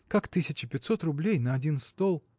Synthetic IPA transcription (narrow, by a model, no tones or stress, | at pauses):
kakt̪ɨsʲɪt͡ɕɪpʲɪt̪ʲso̞t̪rʊblʲejnəɐdʲinst̪olˠ